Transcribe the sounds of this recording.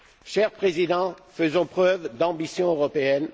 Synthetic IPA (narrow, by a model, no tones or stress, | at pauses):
ʃɛʁpχezid̪ɑ̃fəzɔ̃pχœvd̪ɑ̃bisjɔ̃øʁɔpeɛn